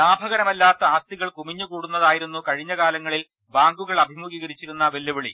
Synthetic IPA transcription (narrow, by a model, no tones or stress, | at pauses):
laːbʱɐɣɐɾɐmɐlːaːt̪ːɐaːst̪iɣɐɭkumiɲːukuːɽunːɐðaːjiɾunːukɐɻiɲːɐɣaːlɐŋːɐɭil | baːŋɡuɣɐɭɐbʱimuɣiːɣɐɾit͡ɕːiɾunːɐʋe̞lːuʋɐɭi